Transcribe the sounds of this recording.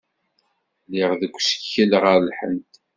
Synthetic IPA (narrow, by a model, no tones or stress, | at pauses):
liʁðəɡʷːsə̥çːəlʁəɾlħə̰nt̪